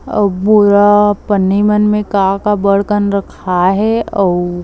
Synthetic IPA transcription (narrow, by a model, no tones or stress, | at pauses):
ɐbʊɾapənːimənmẽkakabəɽkənɾɐkʰaɦɛɔː